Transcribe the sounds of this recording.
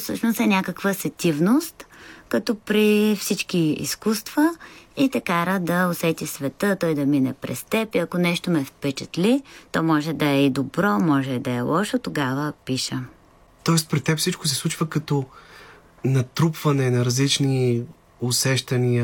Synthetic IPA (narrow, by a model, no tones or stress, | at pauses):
fsɤʃnost̪ɛnʲakəkvəsɛt̪ʲivnost̪kɐt̪ɔpɾifsit͡ʃkiḭskust̪vəit̪ɛkaɾəd̪ɐosɛt̪ʲisvɛt̪ət̪ɔjd̪ɐminɛ̰pɾɛ̰st̪ɛpiɐkonɛʃt̪omɛfpɛt͡ʃət̪lit̪ɔmɔʒɛd̪ɐɛid̪obɾɔmɔʒɛd̪ɐɛlˠʔɔʃot̪oɡavəpiʃə | t̪ɔɛspɾit̪ːɛpfsit͡ʃko̥s̬ɛslˠut͡ʃvəkɐt̪ɔ | nɐt̪ɾupvɐnɛnɐɾɐzlit͡ʃni | ʊsɛʃt̪ɐniə